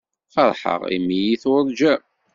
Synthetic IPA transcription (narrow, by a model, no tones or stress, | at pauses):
fəɾˤħə̰ʁḭmijiθðˤd͡ʒæ